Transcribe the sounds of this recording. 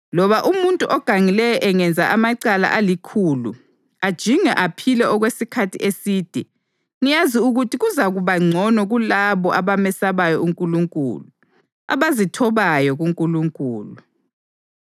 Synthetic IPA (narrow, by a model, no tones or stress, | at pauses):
lɔβaʔumuntʼuʔɔɡ̥ʱaŋilɛjɔʔɛŋɛnd͡zʱaʔamaǀala̰ʔalikʰuːlu | ad̥ʒ̥ʱiŋɛʔapʰilɛʔɔɣwesikʰatʰḭʔesiːd̥ʱɛ | ŋijaziuɣutʰiɣuzaɣuβaŋ͡ǀʱɔnɔɣulaβɔʔaβamɛsaβajɔuŋkʼuluŋkʼṵːlu | a̰βazitʰɔβajɔɣuŋkʼuluŋkʼuːlu